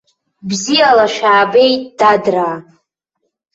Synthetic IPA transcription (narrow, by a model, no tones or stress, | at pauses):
bzijalaʃᶣaːbe̞jt̚ʼd̥adraː